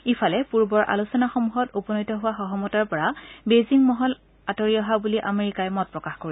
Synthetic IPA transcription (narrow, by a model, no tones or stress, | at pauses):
ifʰalɛpuɹbɔɹʔa̰lusɔnaxɔmuɦɔtupɔnɔjtɔɦʊwaxɔɦɔmɔtaɹpɔɹabeziŋmɔɦɔl | atɔɹiɔɦabuliʔameɹikajɛmɔt̚pɹɔkaxkoɹi